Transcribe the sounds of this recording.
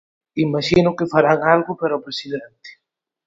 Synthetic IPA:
imaʃinʊkefaɾaŋalɣʊpaɾaopɾesiðent̪ɪ̥

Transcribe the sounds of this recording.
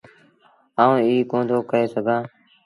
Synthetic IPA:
aːũːiːkõːnd̪ʱoːkəɾeːsəɡʱãː

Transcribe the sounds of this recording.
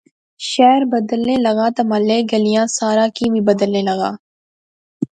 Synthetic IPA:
ʃɛːɾbɐd̪əlːẽlɐɡaːt̪ɐmalːeːɡɐlijãːsaːɾaːkibʱibɐd̪əlːẽlɐɣa̰ː

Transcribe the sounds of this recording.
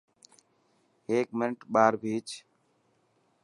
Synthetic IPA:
ɦeːk̚mɪnʈɓaːɾbʱiːt͡ʃ

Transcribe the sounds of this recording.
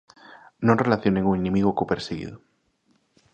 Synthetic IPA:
nõnrelaθjoneŋuenĩmiɣokupeɾseɣḭðu

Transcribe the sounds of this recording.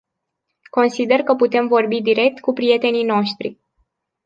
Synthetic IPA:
ko̞nsid̪e̞rkəput̪e̞mvo̞rbid̪iɾe̞k̚t̪kupɾije̞t̪e̞nino̞ʃt̪ɾḭ

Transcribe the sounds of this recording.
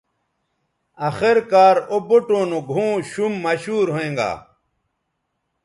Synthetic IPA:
ɐxeɾkaːɾoboʈõːnoɡʱũːɕumːɐɕuːɾɦoẽːŋɡa̰ː

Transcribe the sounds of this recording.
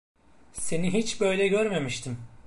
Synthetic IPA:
se̞niɦit͡ʃbø̞jlʲɛɟøɾme̞miʃt̪ʰim

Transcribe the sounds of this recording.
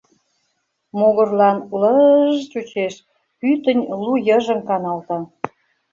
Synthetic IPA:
moɣərlɑnləʒt͡ɕut͡ɕeʃ | pyt̪ə̆nʲlujəʒə̆mkɑnɑlt̪ɑ

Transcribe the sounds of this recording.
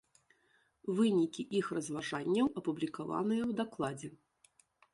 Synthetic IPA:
vɨnʲikʲiʔixrɐzvaʐanʲːɐwɐpublʲikava̰nɨjɛwd̪aklˠad͡zʲɛ

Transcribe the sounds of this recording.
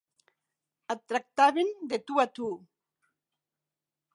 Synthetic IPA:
at̪ɾak̚t̪aβend̪et̪uat̪u

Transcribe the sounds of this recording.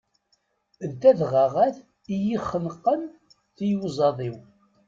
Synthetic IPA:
ðt̪æðʁaʁæθ | ijiχːənqːən | θijuzˤɑðˤiw

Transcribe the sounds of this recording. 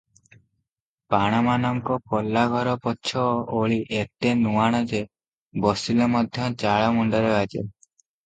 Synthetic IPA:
paɽ̃amanɔŋkɔkɔlːaɡʱɔɾɔpɔtːʃʰɔʔoɭiʔek̚ʈenuaɽ̃ɔd͡ʒe | bɔsilɔmɔd̪ʱjɔt͡ʃaɭamuɳɖɔɾead͡ʒḛ

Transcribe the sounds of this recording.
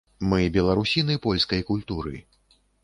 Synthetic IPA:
mɨbʲɛlˠaɾusʲinɨpɔlʲskɐjkulʲt̪uɾɨ̰

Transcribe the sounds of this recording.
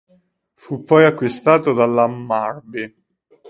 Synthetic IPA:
fupːɔjakːwist̪aːt̪od̪alːamːarbi

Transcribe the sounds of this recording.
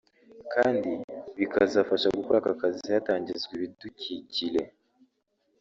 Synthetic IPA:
kʰaːndiβikazafaʃaɡukoɾakakazihataːɲɟizɡweβitucicile̞̰

